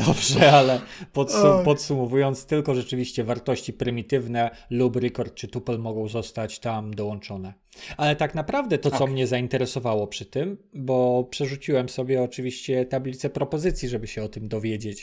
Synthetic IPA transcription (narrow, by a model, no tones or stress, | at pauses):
d̥̪ɔbʐɛalɛpɔt̪supɔt̪sumɔvujɔnt̪st̪ɘlkɔʐɛt͡ʂɘvʲiɕt͡ɕɛvaɾt̪ɔɕt͡ɕipɾɘmʲit̪ɘvnɛlubɾɛkɔɾt̪̚t͡ʂɘt̪upɛlmɔɡɔ̃w̃zɔst̪at͡ɕt̪amd̪ɔwɔnt͡ʂɔnɛ | alɛt̪aknapɾavd̪ɛt̪ɔsɔmɲɛzaint̪ɛɾɛsɔvawɔpʂɘt̪ɘmbɔpʂɛʐut͡ɕiwɛmsɔbʲjɛɔt͡ʂɘvʲiɕt͡ɕɛt̪ablʲit̪sɛpɾɔpɔzɘt̪sʲjiʐɛbɘɕɛɔt̪ɘmd̪ɔvʲjed͡ʑet͡ɕ